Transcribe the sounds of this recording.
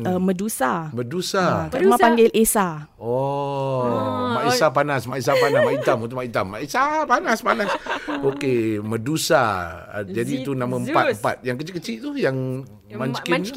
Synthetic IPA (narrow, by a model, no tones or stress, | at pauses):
əmədusamədusaaumãpaŋɡɪlʔesa | ɔ | maʔisap̬anasmaʔis̬apanasmaʔit̪amunt̪ʊʔmait̪amːa̰ʔesapanaspanasokemədusa̰ | d͡ʒadit̪unãmãəmpat̪̚mpa̰t̪̚jaŋkət͡ʃikət͡ʃɪʔt̪ujaŋ | maɲt͡ʃkɪn